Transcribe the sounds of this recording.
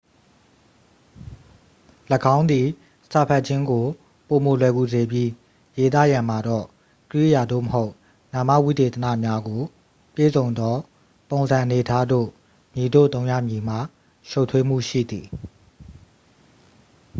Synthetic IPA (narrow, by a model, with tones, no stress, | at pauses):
lə˨ɡã˦ʊ̃nd̪i˨ | sa˨pʰa˦ʔ̚t͡ɕʰɪ̃˦ŋɡo˨ | po˨mo˨lɛ˨ɡu˨ze˨bji˦ | je˨t̪̬ä̰˦˨jã˨m̥a˨dɔ̰˦˨ | kəɹḭ˦˨ja˨d̪o̰˦˨məɦo˦ʊʔ | nã˨ma̰˦˨wi˦˨d̪e˨t̪ə˨nä̰˦˨mja˦ɡo˨ | pjḛ˦˨zõ˨ʊ̃nd̪ɔ˦ | põ˨nzã˨ʔəne˨tʰa˦do̰˦˨ | mi˨do̰˦˨t̪õ˦ʊ̃jä̰˦˨mji˨m̥a̰˦˨ | ʃo˦ʊʔtʰwe˦m̥ṵ˦˨ʃḭ˦˨d̪i˨